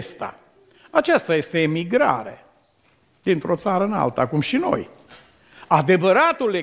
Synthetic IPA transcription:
st̪a̰ | at͡ʃast̪aje̞st̪e̞ːmiɡɾa̰ɾḛ | d̪̥int̪ɾo̞t̪saɾəɨna̰lt̪əakumʃino̞̰j | ad̪e̞vəɾat̪ule

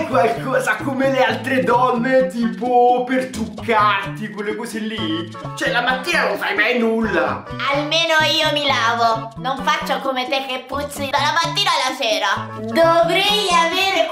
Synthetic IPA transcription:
kwalkɔːzakːomelealt̪ɾed̪ɔnːet̪iːpopert̪ukʰːart̪ikolːekɔːselːi | t͡ʃoɛlamat̪ːiːnanoɱfajmajnulːa̰almeːnoiːomilaːvo | noɱfat͡ʃːokomet̪ek̟ːepːut̪sid̪alamat̪ːiːnalːasɛːɾa | d̪ovɾɛjaveːɾe

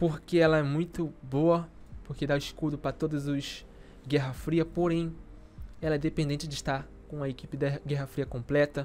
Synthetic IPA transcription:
poɾkeɛlɐɛmũj̃t̪ʊboɐpoɾked̪aɪskud̪ʊpɾɐt̪od̪ʊzʊz | ɡɛɦɐfɾiɐpoɾẽj̃ | ɛlɐɛd̪epẽnd̪ẽnt͡ʃɪd͡ʒɪʃt̪aɾ | kõɐekipɪd̪ɡɛɦɐfɾiɐkõmplɛt̪ɐ

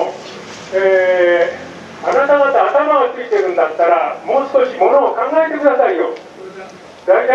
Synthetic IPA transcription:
eː | anat̪aɡat̪aːt̪amaakʲiit̪e̞ɾɯ̟̃nd̪at̪ːaɾamo̞ːsɨ̥ko̞ɕimo̞no̞ːkãŋɡae̞t̪e̞kɯ̟d̪asaijo̞ | d̪̥aid̪

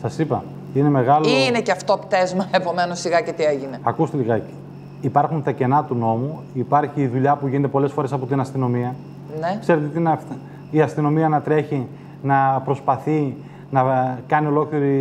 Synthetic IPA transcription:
sɐsipɐ | ine̞me̞ɣɐloneceɐft̪opt̪ezmɐepo̞me̞nosiɣɐcet̪ieʝineɐkust̪eliɣɐci̥ | ipɐɾxunt̪ɐce̞nɐt̪uno̞mu | ipɐɾçiðuʎɐpuʝinet̪epo̞le̞sfo̞ɾesɐpot̪inɐst̪ino̞miɐ | nekse̞ɾe̞t̪et̪in | iɐst̪ino̞miɐːnɐt̪ɾe̞çi | nɐpɾo̞spɐθi | nɐkɐnio̞lo̞kliɾi

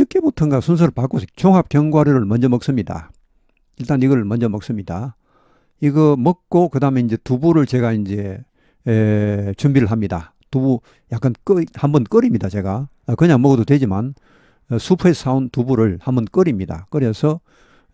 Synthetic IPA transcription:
ɯkːebotʰɯnɡasʰuns̬ʰʌɾɯɭpak͈osʰʌt͡ɕjoŋɦap̚kjʌŋɡwaɾjoɾɯɭmʌnd͡ʑʌmʌk̚s͈ɯmɲida̰ | iɭt͈aniɡʌɾɯɭmʌnd͡ʑʌmʌk̚s͈ɯmɲida | iɡʌmʌk̚k͈okɯdameind͡ʑe̞tubuɾɯɭt͡ɕe̞ɡaind͡ʑe̞ | t͡ɕumbiɾɯɭɦamɲida̰ | tubu | jak͈ank͈hambʌnk͈ʌɾimɲidat͡ɕe̞ɡaː | kɯɲaŋmʌkɯdotwed͡ʑiman | sʰupʰuesʰauntubuɾɯɭhambʌnk͈ʌɾimɲida̰kɯɾesʰʌ

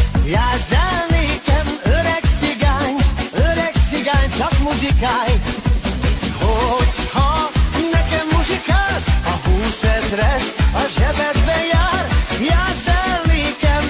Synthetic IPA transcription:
jaːzɛlneːkɛmøɾɛkt̪siɡaːɲøɾɛkt̪siɡaːɲt͡ʃɒkmuʒikaːj | hochɒnɛkɛmːuʒikaːsɒɦuːsɛzɾɛʃɒʒɛvɛd̪bɛjaːrjaːzɛlneːkɛm

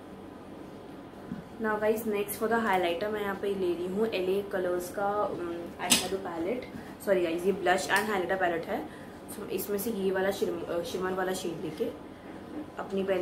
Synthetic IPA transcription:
naːɡaːɪsneksʈfɔɾd̪əɦaːɪlaːɪʈəɾmɛ̃jɦaːpəileːɾɐiɦũʔeːlekɐloːɾzka | aːɪsɛd̪upɛːleʈ | sɔːɾiɡazjeblɐʃɛ̰̃ːɳɖɦaːɪleʈapɛːləʈɦɛ | ɪsmẽseɡieʋaːlaʃɪɾʃɪɾməɾʋaːlaʃeːd̪leːke | ɐpnipɛ

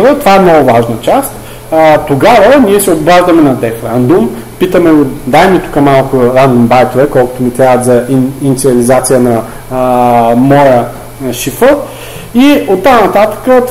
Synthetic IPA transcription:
ɾət̪ovaɛmnɔɡʊvaʒnət͡ʃast̪ː | t̪oɡavəniɛsɛobbaʒd̪əmɛnɐd̪ɛfɾand̪ompit̪əmɛɡod̪aɛmit̪u̥kəmalˠkʊɾand̪ombajt̪ovɛkɔlˠkʊ̥t̪ʊmit̪ɾʲjavət̪zɐʔiinit̪sʲiɐlizat̪sijənɐ | mɔjə | ʃifə | iot̪ːanɐt̪at̪ə̥kət̪

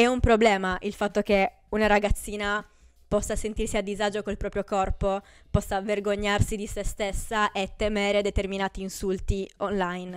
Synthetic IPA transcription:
ɛumpɾoblɛːmaʔilfat̪ːok̟e | unaɾaɡat̪sːiːna | pɔsːasent̪irsiad̪ːizaːd͡ʒokolpɾɔːpɾjokɔrpo | pɔsːaverɡoɲːarsid̪isest̪esːaʔet̪ːemeːɾed̪et̪erminaːt̪iːnsult̪ionlajn

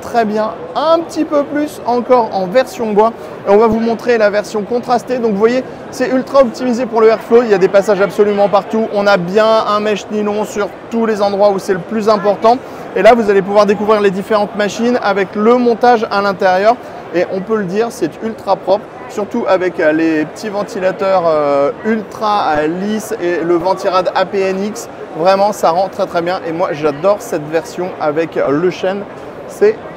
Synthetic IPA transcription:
t̪χɛbjɛ̃ | ɛ̃pət̪ipøplysɑ̃kɔʁɑ̃vɛʁsjɔ̃ɡwa | eɔ̃vavumɔ̃t̪χelavɛʁsjɔ̃kɔ̃t̪χast̪ed̪ɔ̃kvwaje | sɛylt̪χaɔp̚t̪imizepuʁləɛʁfloiljad̪epasaʒabsɔlymɑ̃paʁt̪uʔɔ̃nabjɛ̃ɛ̃mɛʃnilɔ̃syʁt̪ulezɑ̃d̪ʁwausɛləplyzɛ̃pɔʁt̪ɑ̃ | elavuzalep̬uvwaʁd̪ekuvʁiʁled̪ifeʁɑ̃t̪maʃinavɛkləmɔ̃t̪aʒalɛ̃t̪eʁjœʁ | eʔɔ̃pøləd̪iʁsɛt̪ylt̪χapχɔpχ | syʁt̪uʔavɛklepət̪ʰivɑ̃t̪ʰilat̪œʁøylt̪χaliseləvɑ̃t̪iʁad̪apeɛniks | vʁɛmɑ̃saʁɑ̃t̪χɛt̪χɛbjɛ̃ʔemwaʒad̪ɔʁsɛt̪vɛʁsjɔ̃ʔavɛkləʃɛn | sɛ

